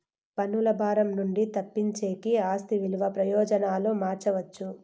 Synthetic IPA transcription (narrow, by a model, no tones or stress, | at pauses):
pɐnːulɐbʱaːɾɐmnuɳɖit̪ɐpːiɲt͡ʃeːkiaːst̪iʋiluʋɐpɾɐjɔːd͡ʒɐnaːloːmaːɾt͡ʃɐʋɐt͡ʃːu